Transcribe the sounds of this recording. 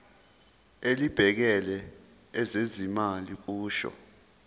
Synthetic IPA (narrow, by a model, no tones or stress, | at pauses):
elib̥ʱɛk̬ɛlɛː | zezimalik̬uːʃɔ̰